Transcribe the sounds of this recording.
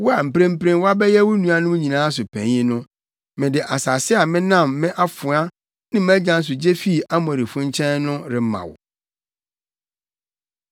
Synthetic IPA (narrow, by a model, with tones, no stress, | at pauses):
wʊ˦a˨m̩˨pɾẽ˦m̩˦pɾẽ˦nwa˦bɛ˦jɛ˦wʊ˦nũ˨a˦nʊ̃˦ɲĩ˨nãː˦s̬ʊ˨pʰæ̰̃˨ɲɪ̃˦nʊ̃˦ | mɪ̃˨dɪ˨ʔa˨sa˨sɪ˦a˨mɪ̃˦nã˦˨mːɪ̃˦ʔa˦fʊ˨a˦ | nɪ̃˦m˦æ̃˦d͡ʑã˨˦n˦s̬ʊ˨d͡ʑe˦fi˦˨a˦mɔ̃˨ɾɪ˨fʊ̃˦ɲ˦t͡ɕʰɛ̃˦nːʊ̃˦ɾɪ˨m˦mã̰˨wʊ̰˨